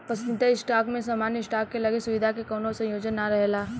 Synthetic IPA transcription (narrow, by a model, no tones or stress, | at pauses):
pɐsə̃nd̪t̪aɪsʈaːkmẽsaːmaːnjəsʈaːkːelɐɡesʊʋɪd̪ʱakekoːnõsɐ̃joːd͡ʒənːaɾɐɦlaː